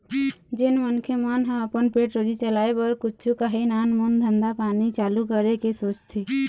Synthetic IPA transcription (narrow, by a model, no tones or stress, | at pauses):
d͡ʒɪnmənkʰemanɦə̃əpənpeːʈɾoːd͡ʒit͡ʃəlaːebəɾkʊt͡ʃʰukaɦinaːnmund̪ʱə̃nd̪apaːnit͡ʃaːlukəɾekesoːt͡ʃt̪ʰiː